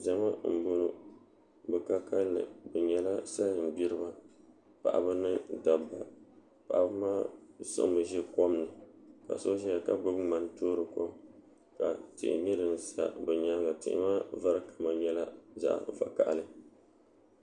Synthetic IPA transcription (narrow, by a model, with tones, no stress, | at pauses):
ʒa˨ma˦m̩˨bo˦nɨ˦ | bɛ˨ka˦ka˦lːɨ̰˨bɛ˨ɲɛ˨la˦sa˦˨m̩˨bi˦ɾɨ˦ba˦ | pa̰˨ʔa̰˨bɨ˦nɨ˦da˨bːa˨ | pa˨ʔa˨bɨ˦maː˦sɨ̰˦ʔbɨ˨ʒɛ˦ko˦mnɨ˨ka̰˨so˦ʒɛ˦ja˨ka˦bɨ˦bŋ͡ma˨ntoː˦ɾɨ˦ko˦m | ka̰˨tɪ̰˨ʔɪ̰˨ɲɨ˦dɨ˨n̩˨sa̰˨bɛ˨ɲa˦lɡa˨tɪ̰˨ʔɪ̰˦maː˦va˦ɾɨ˦kʰa˨ma˨ɲɛ˦la˦za̰˦˨ʔva̰˨ka̰˨ʔlɨ˦